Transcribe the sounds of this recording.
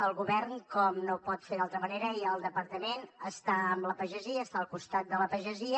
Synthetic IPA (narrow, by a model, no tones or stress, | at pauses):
əlˠɣuβɛrnkɔmnopɔt̪feðalˠt̪ɾəməneɾəiəlˠd̪əpəɾt̪əmenəst̪aəmləpəʒəziəːst̪aəlˠkust̪at̪̚d̪ələpəʒəziə